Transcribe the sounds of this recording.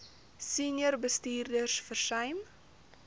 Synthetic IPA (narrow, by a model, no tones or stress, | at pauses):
sinjərbəstiːrdərsfərsœjm